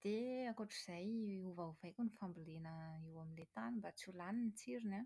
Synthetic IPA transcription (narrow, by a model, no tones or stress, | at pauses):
d̪̥eakoʈ͡ʂiz̥ajuvauvajkʲunifambilenəiwaminlet̪animbat͡sulaninit͡siɾina